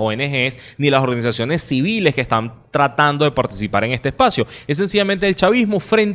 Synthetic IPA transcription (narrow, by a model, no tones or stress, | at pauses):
oenexesnilaso̞ɾɣanis̬asjo̞ne̞sːiβile̞skest̪ant̪ɾat̪and̪oðe̞paɾt̪i̥sipaɾe̞ŋe̞st̪espasjo̞es̬e̞nsiʝament̪eːlt͡ʃaβizmufɾẽ̞n